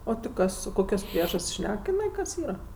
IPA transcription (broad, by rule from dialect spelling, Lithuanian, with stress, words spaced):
ˈoː tʲɪ ˈkɐs oː ˈkoːkʲoːs ˈpʲrʲiɛʒɐsʲtʲsʲ ˈʃʲnʲɛk ɪˈnɐɪ kɐs ˈiːrɐ